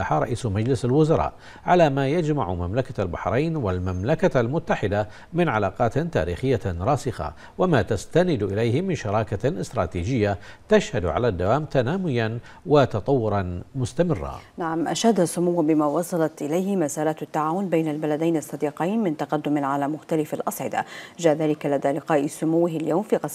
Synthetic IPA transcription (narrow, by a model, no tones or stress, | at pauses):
aħaɾˤɑ̰ʔiːsmad͡ʒlɪsalwʊzɑɾˤɑ̰ːʔ | ʕalaːmaːjad͡ʒmaʕʊmamlakaalbaħɾˤɑjnwalmamlakaalmʊt̪ːaħɪd̪a | mɪnʕalaːqɑːt̪t̪a̰ːɾḭːxɪjːaɾˤɑːsɪxa̰ | wamaːt̪ast̪anɪd̪ʔɪlajhɪmɪnʃɑɾˤɑːkaʔɪst̪ɾˤɑːt̪iːd͡ʒɪjːat̪aʃhad̪ʕa̰laːd̪ːawaːmt̪anaːmʊjan | wat̪ɑt̪ˤɑwːʊɾˤɑnmʊst̪amɪrːa̰naʕamʔaʃaːd̪asʊmʊwːbɪmaːwɑsˤɑlɑt̪ʔɪlajhɪmasaːɾˤaːt̪at̪ːaʕaːwʊnbajnalbalad̪ajnɑsˤːɑd̪iːqijnmɪnt̪aqɑd̪ːʊmʕalaːmʊxt̪alɪfalʔɑsˤʕɪd̪a̰d͡ʒaːʔðaːlɪkalad̪aːlɪqɑːʔsʊmʊwːɪhaljawmfiːqɑsˤ